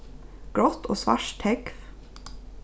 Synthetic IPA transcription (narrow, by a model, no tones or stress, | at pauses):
ɡ̥ɽɔt̪ʰo̰ːsʋæ̰ʃt̪ʰhɛkf